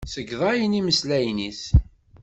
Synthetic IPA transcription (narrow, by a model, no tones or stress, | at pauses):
səɡðˤɑjəniməslæjniθ